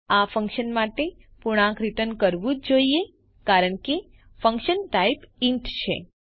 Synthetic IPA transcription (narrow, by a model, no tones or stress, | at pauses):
afə̃ŋkʃənmaʈe | puɽ̃ãkɾit̪ənkəɾʋũd͡ʒd͡ʒoie | kaɾəɳke | fə̃ŋkʃənʈaipiɳʈt͡ʃʰḛ